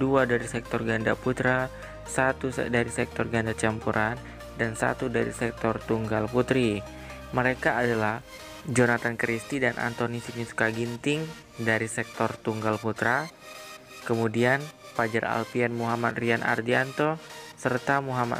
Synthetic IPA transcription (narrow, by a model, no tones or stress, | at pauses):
duadaɾisɛk̚t̪ɔrɡandaput̪ɾa | sat̪udaɾisɛk̚t̪ɔrɡandat͡ʃampuɾʔan | dansa̰t̪udaɾisɛk̚t̪ɔrt̪uŋɡalput̪ɾi | məɾekaːdalah | d͡ʒonat̪ankəɾist̪idanʔa̰nt̪onisinisu̥kaɡint̪ɪŋ | daɾisɛk̚t̪ɔrt̪uŋɡalput̪ɾa | kəmudianpad͡ʒara̰lpianmuɦamat̪̚riana̰rdiant̪ɔsərt̪amuɦama̰